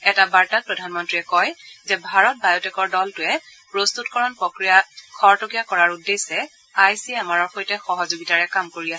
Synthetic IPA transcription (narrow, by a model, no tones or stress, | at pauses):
ɛtabaɹtapɹɔdʱanmɔntɹiɛkɔjzɛbʱaɹɔt̚bajɔtɛkɔɹdɔltʊɛ | pɹost̪utkɔɹɔnpɹokɹijakʰɔɹtokijakɔɹaɹudesɛ | ajsiamaɹɔɹxojtɛxɔɦɔzoɡitaɹɛkamkoɹiasɛ